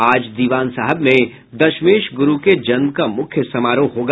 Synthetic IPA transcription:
aːd͡ʒd̪iːʋaːnsaɦəbmẽ | d̪ɐʃmeːʃɡʊɾuked͡ʒɐnmkamʊkʰjəsɐmaːɾoːɦoːɡ

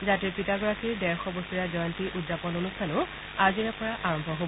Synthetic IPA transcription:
zatiɹpitaɡɔɹakʰiɹdɛɹxɔbostiɹazɔjɔntiʔudzapɔnonustʰanʊ | aziɹɛpɔɹaʔaɹɔmbʱɔɦo

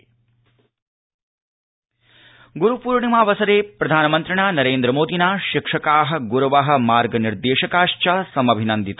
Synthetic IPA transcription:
ɡuɾupuːɾɳimaːʋɐsɐɾeːpɾɐd̪ʱaːnɐmɐnt̪ɾɐɳaːnɐɾeːnd̪ɾɐmoːd̪inaːʃikʂɐkaːɦɐ̆ɡuɾɐʋaɦɐ̆maːɾɡɐniɾd̪eːʃɐkaːʂt͡ʃɐsɐmɐbʱinɐnd̪it̪

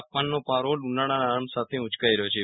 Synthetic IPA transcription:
pːanːopaɾolunaɽ̃anamsat̪ʰeut͡ʃkajɾəjot͡ʃʰe

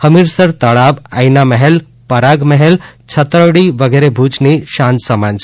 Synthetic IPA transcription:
həmiɾsəɾt̪əɭaba̰jnaməɦel | pəɾaɡməɦelt͡ʃʰət̪ɾəɽiʋəɡeɾebʱut͡ʃniʃãnt̪səmãnd͡ʒ

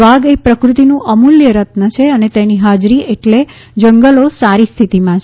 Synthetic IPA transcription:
ʋaɡepɾəkɾut̪inũʔəmuljəɾət̪nət͡ʃʰeənet̪eniɦad͡ʒɾieʈle | d͡ʒəŋɡəlosaɾist̪ʰit̪imãt͡ʃʰ

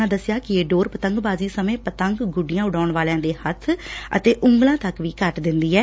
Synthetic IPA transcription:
ãːd̪əsɪjaːkɪeːɖoːɾpət̪əŋɡbaːziːsəmẽːpət̪əŋɡɡʊɖɪjãːʊɖaːɳʋaːljãːd̪eːhət̪ʰə̰t̪eːʔʊŋɡlãːt̪əkʋiːkəʈd̪ɪnd̪iːɛː

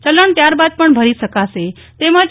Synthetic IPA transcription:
t͡ʃələɳt̪jaɾbad̪̚pəɳbʱəɾisəkase | t̪emã

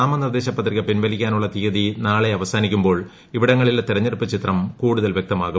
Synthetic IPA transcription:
aːmɐnird̪e̞ːɕɐpːɐt̪riɣɐpinʋɐlikʲːaːnuɭːɐt̪iɣɐðinaːɭe̞ɐʋɐsaːnikʲːumbo̞ːɭ | iʋiɽɐŋːɐɭilet̪irɐɲːɐɾupːɨt͡ɕit̪rɐmkuːɽuðɐlʋjek̚t̪ɐmaːɣu

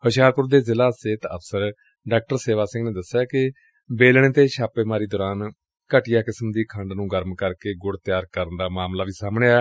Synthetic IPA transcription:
həʃjaːɾpʊɾd̪eːzɪlaːseːt̪ə̰pʰsəɾ | ɖaːk̚ʈəɾseːʋaːsɪ̃ŋɡneːd̪əsjaːkɪ | beːlɽ̃eːt̪eːʃaːpeːmaːɾiːd̪ɔːɾaːn | kəʈɪjaːkɪsəmd̪iːkʰə̃ɳɖnũːɡəɾmkəɾkeːɡʊɽt̪ɪjaːɾkəɾənd̪aːmaːmlaːʋiːsaːmɳeːaː

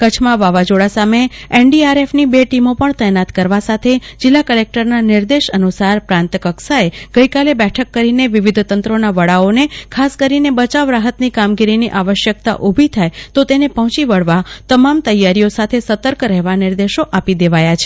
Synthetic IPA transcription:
kət͡ʃʰmãʋaʋad͡ʒoɽasameeɳɖiaɾefnibeʈimopəɳt̪əjenat̪kəɾʋasat̪ʰed͡ʒɪlːakəlek̚ʈəɾnaniɾd̪eʃənusaɾpɾãnt̪kəksaeɡ̥əjkalebɛʈʰəkːəɾineʋiʋid̪ʱt̪ənt̪ɾonaʋəɽaonekʰaskəɾinebət͡ʃaʋɾaɦət̪nikamɡiɾiniʔaʋəʃjək̚t̪a̰ʔubʱit̪ʰajt̪ot̪enepɔɦt͡ʃiʋəɭʋat̪əmamt̪əjːaɾijosat̪ʰesət̪əɾkɾɛɦʋanɪɾd̪eʃoʔapid̪eʋajat͡ʃʰe̥

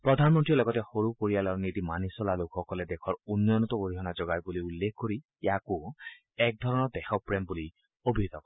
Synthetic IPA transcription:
pɹɔd̪ʱanmɔnʈilɔɡɔtɛxoɹupoɹialɔɹnit̪imanisɔlalokʰxɔkɔled̪ekʰɔɹunːɔɔnɔt̪ɔboɾiɦɔnad͡ʒɔɡajbuliulːek̚ʰkoɹi | jaku | ɛk̚d̪ʱɔɹɔnɔɹd̪ɛxɔpɹembuli | obʱit̪ɔkɔ

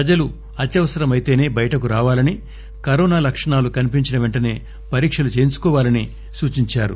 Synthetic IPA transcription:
ɐd͡ʒɐlu | ɐt̪jɐʋɐsɐɾɐmɐjt̪e̞ːne̞ːbɐjɐʈɐkuɾaːʋaːlɐni | kɐɾɔːnaːlɐkʂɐɳaːlukɐnip̬iɲt͡ʃinɐʋeɳʈɐne̞ː | pɐɾiːkʂɐlut͡ʃe̞ːnt͡ʃu̥kɔːʋaːlɐni | suːt͡ʃiɲt͡ʃaːɾṵ

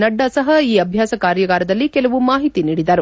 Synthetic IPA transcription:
nɐɖːɐsɐɦɐiːɐbʱjaːsɐkaːɾjɐɡaːɾɐd̪ɐlːikɛlɐʋumaːɦit̪iniːɽid̪ɐɾu

